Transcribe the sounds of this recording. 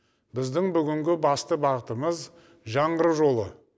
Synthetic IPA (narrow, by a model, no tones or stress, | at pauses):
bɪzd̪ɪŋbʏɡʲɪŋɡʲɪbɑst̪əbɑʁət̪əməz | ʒɑɴəɾəʒo̞lˠə